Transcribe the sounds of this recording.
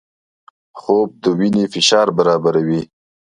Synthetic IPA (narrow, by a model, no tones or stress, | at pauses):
xob̚d̪əwinefɪʃɑɾbaɾɑbaɾawi